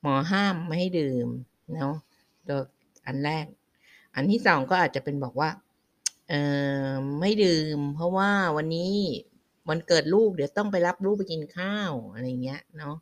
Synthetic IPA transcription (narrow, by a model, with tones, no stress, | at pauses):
mɔː˩˦ɦaː˥˩mːa˥˩ha˥˩jdɯː˧m | nɔ˦˥ | t̪u˧˩ək | ʔa˧nɾɛː˥˩k̚ | ʔa˧nt̪ʰiː˥˩sɔː˩˦ŋkɔː˥˩ʔaː˨˩t̪̚t͡ɕa˨˩pe˧nbɔː˨˩k̚waː˥˩ | ʔɤː˨˧ma˥˩jdɯː˧mpʰɔ˦˥waː˥˩wa˧nːiː˦˥ | wa˧nkɤː˨˩t̪̚luː˥˩p̚dɯ˩˦wt̪ɔ˥˩ŋp̬a˧jla˦˥p̚luː˥˩p̚ːa˧jki˧nkʰaː˥˩wʔa˧ɾa˧ja˨˩ŋːi˦˥ɐnɔ˦˥